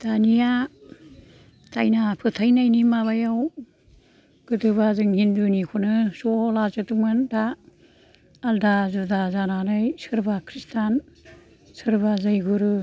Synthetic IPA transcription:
d̥anija | tajnapʰɯtʰajnajnimaβajaw | ɡ̥ɯdɯβazɯŋhindunikʰɔnɯsɔlazɯtumɯnda | ldazudazananajsɯɾbakʰɾistʰan | sɯɾbazajɡuɾɯ

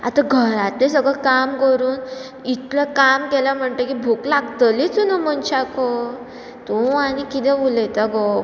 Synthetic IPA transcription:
a̰t̪aɡʱəɾat̪lesəɡəkamkəɾuːn | it̪ləkamkɛlam̤əɳt̪əkibʱuklaɡt̪əlit͡sunəmənɕakɔ | t̪oañikit̪ɛ̃ʋulət̪aɡo

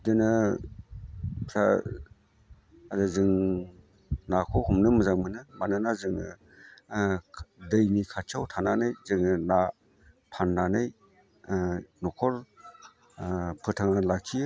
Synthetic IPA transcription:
dɯnɯ | pʰɾa̰ | adazɯŋ | nakʰɔwhumnɯmɯzaŋmɯnɯmanɯnazɯŋɯ | dɯjnikʰat͡ʃʰawtʰananɯjzɯŋɯna | pʰanːanɯj | nɔkʰɔɾ | pʰɯtʰaŋalakʰiɯ

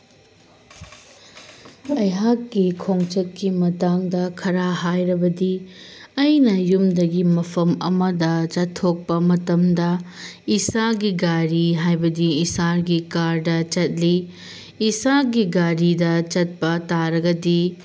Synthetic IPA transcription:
ɐjɦakːikʰoŋt͡ʃɐt̚kimɐtaŋdɐkʰɐɾaɦajɾɐbɐdiɐjnɐjumdɐɡimɐpʰɐmɐ̰mɐdɐt͡ʃɐtʰːok̚pɐmɐtɐmdɐisaɡiɡaɾiɦajbɐdiːsaɾɡikaɾdɐt͡ʃɐt̚liː | saɡiɡaɾidɐt͡ʃɐt̚pɐtaɾɐɡɐdi

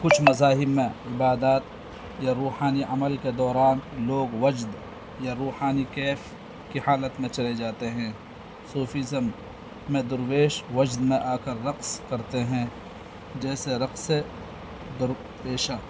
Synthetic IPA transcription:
kʊt͡ʃʰmɐzaːɦɪbmẽɪbaːd̪aːt̪ | jaɾuːhaːniʔɐməlked̪ɔːɾaːnloːɡwɐd͡ʒd̪ | jaɾuːhaːnikɛːf | kihaːlət̪mẽt͡ʃɐled͡ʒaːt̪eɦɛ̃ː | suːfizəmː | ẽd̪ʊɾweːʃʋɐd͡ʒd̪mẽʔaːkəɾːɐqskɐɾt̪eɦɛ̃ː | d͡ʒɛːseɾɐqse | d̪ʊɾ | peːʃaː

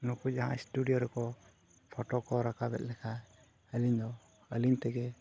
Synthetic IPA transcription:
nupuaɦã̰isʈuɖijɔɾɛkɔ | pʰɔʈɔkɔɾakabɛ̰t̪̚lɛkʰa | əliɲd̪ɔ | əliɲt̪ɛɡɛ

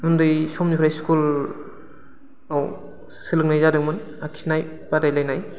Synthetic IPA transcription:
undɯjsɔmnipʰɾajskul | aw | sɯlɯk̚najzadɯŋmɯn | akʰi̥snaj | padajlajnaj

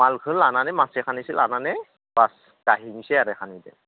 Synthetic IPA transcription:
malkʰɯlananɛmasekʰanisilananɛ | bas | ɡ̥aɦinisɛaɾɛkanid̪ɛ̰

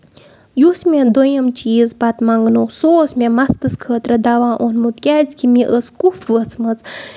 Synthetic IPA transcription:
jusmʲed̪ojɐmt͡ʃiːzpɐt̪mɐŋɡnoksoːsmʲẽmɐst̪ɨskʰəːt̪ɾɐd̪ɐʋãːʔonmut̪kʲɛːt͡sʲkimiʔəskufʰʋət͡sʰmɐt͡s

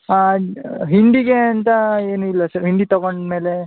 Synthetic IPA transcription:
aɦiɳɖiɡe̞ɐnt̪ɐeːnuilːɐsɐɾɦiɳɖit̪ɔɡoɳɖme̞ːle

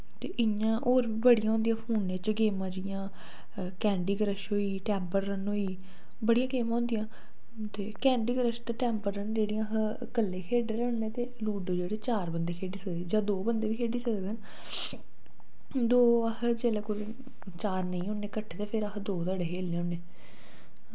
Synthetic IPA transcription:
t̪eːʔɪãːʔoːɾbiːbəɽijãɦõːnd̪ijãːpʰuːnːeːt͡ʃɡeːmãːd͡ʒɪjãː | kɛ̃ːɳɖiːɡəɾəʃɦoːiːʈɛːmpəɾːənɦoːiː | bəɽijãːɡeːmaːʊ̃ːnd̪ijãː | t̪eːkɛ̃ːɳɖiːɡəɾəʃt̪aːʈɛːmpəɾːənd͡ʒeːɽijãɦ | kəlːẽːkʰeːɖeɾənːẽːt̪eːluːɖd͡ʒeːɽeːt͡ʃaːɾbənd̪eːkʰeːɖiːsəkd̪ed͡ʒãːd̪oːbənd̪eːʋiːkʰeːɖiːsəkd̪en | d̪oːəhd͡ʒeːleːkʊɾ | t͡ʃaːɾnəĩːonẽːkəʈʰːeːt̪eːpʰɪɾəɦd̪oːt̪əɽeɦeːlẽːʊneː

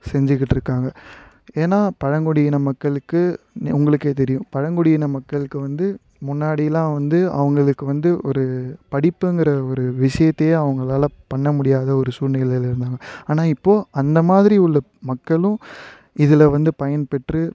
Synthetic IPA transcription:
sɛɲd͡ʒɯk̬ːɪʈːɾɯkːaːŋɡɐ | eːnːaːpɐɻɐŋɡɔɽɪjɪnɐmɐkːɐɭɯkːɯ | nʊŋɡɐɭɯkːeːt̪̬ɛɾɪjʊ̃pɐɻɐŋɡɔɽɪjɪnɐmɐkːɐɭɯkːɯʋɐnd̪ɯ | mʊnːaːɽɪjɐlãːʋɐnd̪ɯɐ̰ʋɐŋɡɐɭɯkːɯʋɐnd̪ɯɔɾɯpɐɽɪpːɯŋɡɪɾɐɔɾɯʋɪʂɐjɐt̪ːɐjeɐʋɐŋɡɐɭaːlɐpɐɳːɐmʊɽɪjaːðɐɔɾɯsuːɾnɐjɪlɐlɪɾɯnd̪aːŋɡɐaːnaːɪpːoːɐnd̪ɐmaːðɪɾiʊɭːɐ | mɐkːɐɭʊ̃ | ɪðɪlɐʋɐnd̪ɯpɐjɐnpɛʈrɯ

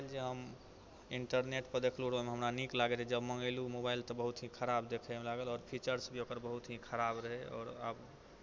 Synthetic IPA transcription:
ld͡ʒeɦəm | iɳʈəɾneʈpəɾd̪ekʰluɽəmeɦəmɾaniklaɡed͡ʒed͡ʒəbməŋɡelumobailt̪ɔbəɦut̪ɦĩkʰəɾabd̪ekʰemelaɡəlɔːɾpʰit͡ʃəɾsbʱiokəɾbəɦut̪ɦĩkʰəɾabɾəɦeɔ̰ːɾa̰b

